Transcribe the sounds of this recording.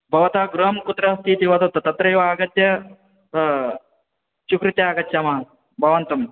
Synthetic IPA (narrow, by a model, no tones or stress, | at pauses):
bʱɐʋɐt̪aːɡɾuɦɐmkut̪ːɾɐɐst̪ʰiːt̪iʋɐt̪ɐt̪ɐt̪ɐt̪ɾɐjuʋaːɡɐt̪jɐ | ʃukɾit̪jaːɡɐt̪jɐmaː | bʱɐʋɐnt̪ɐm